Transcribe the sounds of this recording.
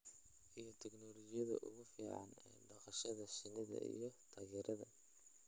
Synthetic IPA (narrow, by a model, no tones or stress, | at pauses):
ʔijɞt̪ʰɛɡnɔlɔɣɪjɐðɐ̰ʔʊɣʊfiːʕɑ̰nː | ɖɐqɐʃɐðɐʃɪnɪðɐ̰ḭjɞt̪ʰaːɣɛːɾʔɐðɐ̰